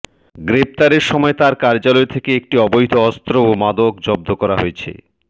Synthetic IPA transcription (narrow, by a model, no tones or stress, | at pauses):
ɡɾep̚t̪aɾeɾʃɔmɔet̪aɾkaɾd͡ʑalɔet̪ʰekeek̚ʈiɔbojd̪ʱoɔst̪ɾoomad̪okd͡ʑɔb̚d̪ʱokɔɾa̰ɦoet͡ɕʰḛ